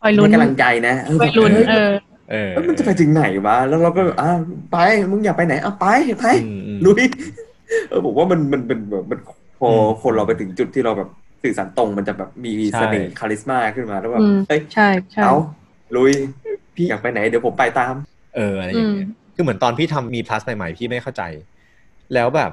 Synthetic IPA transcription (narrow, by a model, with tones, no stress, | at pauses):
ɔ˨˩jlnka˧la˧ŋt͡ɕa˧jna˦˥ʔɤː˧bɔ˨˩luː˧˥˧ | ʔːa˧˥ma˧nt͡ɕa˨˩pa˧jt͡ɕɯ˧ŋna˩˦jwa˦˥lɛː˦˥wɾa˧wkɔː˥˩bɛː˨˩ʔaː˧˩˧pa˧jmɯ˧ŋjaː˨˩k̚pa˧jna˨˦jʔa˧˩wpa˧jhe˨˩t̚pa˧jlu˧˥j | ʔɤː˧˩bʰɔ˨˩˦waː˥˩ma˧nma˧npe˧nbɛː˨˩p̚ma˧nkʰ | pʰɔː˧kʰo˧nɾa˧pa˧jt̪ʰɯ˩˦ŋt͡ɕu˨˩t̪ʰːiː˥˩ɾa˧wbɛː˨˩p̚ | sɯː˨˩saː˩˦nt̪o˧ŋma˧nt͡ɕa˨˩bɛː˨˩p̚miː˧sa˧nḛː˨˩kʰaː˧li˦˥smaː˥˩kʰɯ˥˩nmaː˧lɛː˦˥wbɛː˨˧ʔa˦˥˩jt͡ɕʰa˥˩jʰʔa˧˩w | lu˧˥jʰ | iː˥˩jaː˨˩k̚pa˧jna˩˦jdi˩˦pʰo˩˦mpa˧jt̪aː˧m | ʔɤː˧ʔa˧ɾa˧ja˧˩ŋni˦˥ɐkʰɯː˧m˩˦ə˦nt̪ɔː˧npʰiː˥˩t̪ʰa˧mːiː˧pʰla˦˥sna˨˧jma̰˨˩jpʰiː˥˩ma˥˩jxʰa˥˩wt͡ɕa̰˧j | lɛː˦˥wbɛ̰ː˨˩p̚